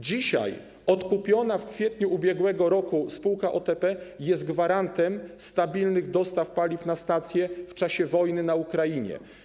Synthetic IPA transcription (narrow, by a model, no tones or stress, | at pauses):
d͡ʑiɕa̰j | ɔt̪kupʲjɔnafkfʲjɛt̪ɲuːbʲjɛɡwɛɡɔɾɔkuspuwkaʔɔt̪ɛpɛjɛst̪̚ɡvaɾant̪ɛmst̪abʲilnɘɣd̪ɔst̪afpalʲifnast̪at̪sʲjɛft͡ʂaɕɛvɔjnɘnaukɾajiɲɛ̰